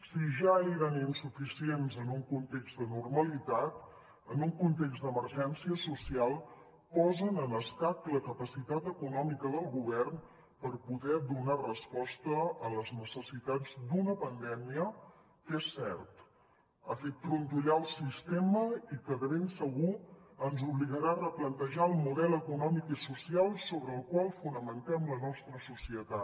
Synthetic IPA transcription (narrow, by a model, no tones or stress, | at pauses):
siʒaiɾaninsufisienzənuŋkunt̪eɡzd̪ənurməlit̪at̪ | ənuŋkunt̪eɡzd̪əməɾʒɛnsiəsusialˠ | pɔzənənəst̪ak̪ləkəpəsit̪at̪əkunɔmikəðəlˠɣuβ̞ɛrn | pəɾpuðɛd̪unarəspɔst̪əələznəsəsit̪ad͡zd̪unəpənd̪ɛmiə | kesːɛ̰ɾt̪ | əfet̪̚fɾunt̪uʎaəlˠsist̪eməikəðəβensəɣuənzuβliɣəɾaərəplənt̪əʒaəlˠmuðɛləkunɔmikisusialˠsoβɾəːlˠkwalˠfunəmənt̪ɛmlənɔst̪ɾəsusiət̪a